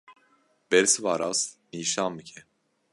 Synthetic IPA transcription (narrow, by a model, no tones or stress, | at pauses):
b̥eɾsivaɾasniːʃamːicʰɛ